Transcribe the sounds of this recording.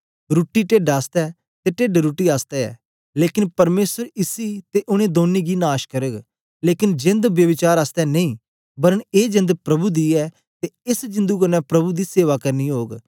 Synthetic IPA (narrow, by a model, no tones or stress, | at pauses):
ɾʊʈːiːʈeɖaːst̪ɛː | t̪eːʈeːɖɾʊʈːiːaːst̪ɛɛ̰ː | leːkɪnpɐɾmeːsəɾɪsiːt̪eːʔʊñẽːd̪oːniːɡiːnaːʃkəɾəɡ | leːkɪnd͡ʒɪ̃nd̪ʋjəʋɪt͡ʃaːɾaːst̪ɛːnɐĩː | bəɾəneːd͡ʒɪ̃nd̪pɾɐbuːd̪iːɛː | t̪eɪsd͡ʒɪ̃nd̪uːkənɛ̃ːpɾɐbuːd̪iːseːʋaːkəɾniːɦoːɡ